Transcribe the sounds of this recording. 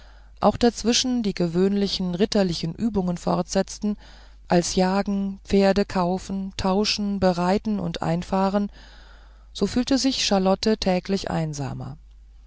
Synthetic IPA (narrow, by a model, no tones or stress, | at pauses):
ʔa̰ʊxd̥at͡sv̥ɪʃn̩diːɡəvøːnlɪçn̩ʁɪtɐlɪçn̩ʔyːbʊŋənfɔ̰ɐtz̥ɛt͡stn̩ | ʔalsjaːɡŋ̩pp͡feːɐdəkʰaʊfn̩tʰaʊʃn̩bəʁaɪtn̩ʊ̰ntʔa̰ɪnfaːʁən | z̥oːfyːltəzɪçʃalɔtətʰɛːklɪçʔa̰ɪnza̰ːmɐ̰